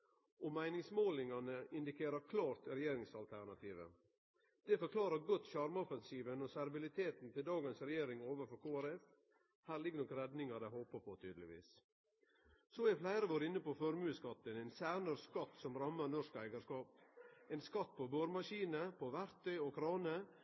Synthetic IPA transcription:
ɔmæɪnɪŋsmoːlɪŋɑnəɪnd̪ɪkʰeːɾəɾkʰlɑːɾt̪ɾɛjeːɾɪŋsɑlt̪ʰæɾɳɑt̪ʰiːʋə̰ | d̪̥ɛfɔɾkʰlɑːɾəɾɡʊt̪ʃɑɾmɔfɛnsiːʋənɔsæɾbɪlɪt̪ʰeːt̪n̩t̪ʰɪld̪ɑːɡənsɾɛjeːɾɪŋoːʋəfɔɾkʰoːæɾɛf | hæːɾlɪɡːənɔkəɾɛd̪nɪŋɑɾd̪æhoːpəpʰot̪ʰy̰ːd̪əlɪ̰ʋḭːs | soːæɾflæɪɾəʋoːɾɪnːəpofɔɾmʉːskɑt̪ːənɛɪnsæːnəɾskɑt̪ːsɔmɾɑmːəɾnɔʂkæɪɡəskɑːp̚ɛɪnskɑt̪ːpʰobøːɾmɑʃiːnəpʰoʋæɾt̪ʰœʏɔkʰɾɑːnə

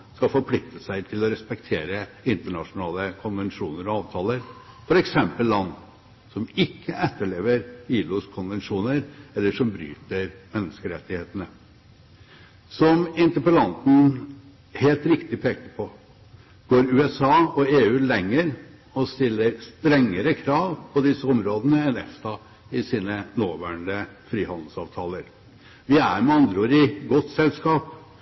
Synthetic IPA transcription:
skɑfɔɾpʰlɪk̚t̪ʰəsæɪt̪ʰɪlɔɾɛspɛk̚t̪ʰeːɾə | ɪnt̪əɳɑʂʊnɑːləkʰʊnʋɛnʂuːnəɾɔɑːʋt̪ʰɑːləɾ | fɔɾɛksɛmpəllːɑnː | sɔmɪkːəʔɛt̪ːəɭeːʋəɾiːlʊskʰʊnʋɛnʂuːnəɾɛlːəʂɔmbɾy̰ːt̪əɾmɛnːəskəɾɛt̪ːɪheːt̪ənə | sɔmɪnt̪əpəlɑnt̪n̩ | heːlt̪ɾɪkt̪ɪpʰeːkəpʰɔ | ɡ̥oːɾʉːɛsɑːɔeːʉːlɛŋːəɾ | ɔst̪ɪlːəɾst̪ɾɛŋːəɾəkʰɾɑːʋpʰɔd̪ɪsːəɔmɾoːd̪ənəɛnɛ̰fsɑː | ɪsiːnənoːʋæːɳəfɾiːhɑnd̪l̩sɑːʋt̪ʰɑːləɾ | ʋɪæ̰ɾmɛɑnd̪ɾəoːɾɪɡɔt̪sɛlskɑːp

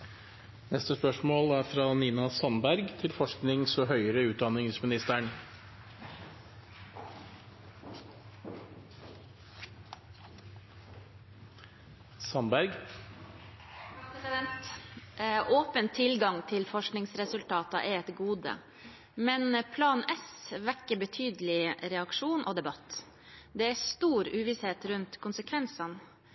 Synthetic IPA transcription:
nɛst̪əspœʂmoːlæːɾfɾɑːniːnɑsɑnbæɾɡt̪ʰɪlfɔʂknɪŋsɔɦœʏəɾəʉːt̪̚d̪ɑnɪŋsmɪnɪst̪əɳ | sɑnbæɾɡ | pɾɛsɪd̪ɛnt̪ | ʔoːpənt̪ʰɪlɡɑŋt̪ʰɪlfɔʂknɪŋsɾɛsʉlt̪ʰɑːt̪ɑ̰ʔɛɛt̪ɡuːd̪ə̰ | mɛnpʰlɑːnɛsʋɛkːəbət̪ʰyːd̪lɪɾɛɑkʂuːnʔoːd̪ɛbɑt̪ː | d̪ɛːæst̪uːɾʉːʋɪsheːt̪ɾʉnt̪kʰʊnsəkʰʋɛnsɑn

